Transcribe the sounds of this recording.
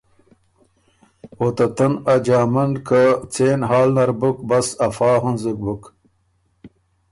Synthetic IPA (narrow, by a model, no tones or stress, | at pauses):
ot̪ɐt̪ɐnɐd͡ʑaːmɐnkɐt͡seːnɦaːlnɐɾbukbɐsɐfaːɦunzik̚buk